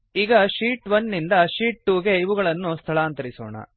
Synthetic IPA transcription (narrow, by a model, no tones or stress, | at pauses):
iːɡɐʂiːʈʋɐnːind̪ɐʃiːʈ̚ːuːɡe̞iʋuɡɐɭɐnːust̪ʰɐɭaːnt̪ɐɾisɔ̰ːɳɐ̰